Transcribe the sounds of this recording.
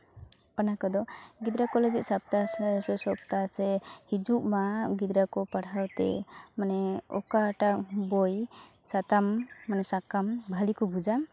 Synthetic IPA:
ɔnakɔd̪ɔɡid̪ɾakɔləɡit̪̚sap̚t̪asɛsɔp̚t̪asɛhid͡ʒuʔmaɡid̪ɾakɔpaɽawt̪ɛ̰manɛɔkaʈak̚bɔj | sat̪amːanɛsakambʱalikɔbud͡ʒa

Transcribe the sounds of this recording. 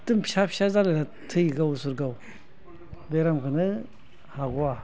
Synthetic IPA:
tɨmɕapɕazalela | tʰɨiɡawsuɾɡaw | beɾamkɯnɯ | haɡua

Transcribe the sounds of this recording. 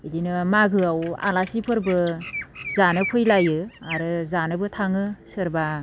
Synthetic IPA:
idinɯmaɡɯawa̰lasipʰɯɾbɯ | zanɯpʰɯjlajɯaɾɯzanɯbɯtʰaŋɯsɯɾba

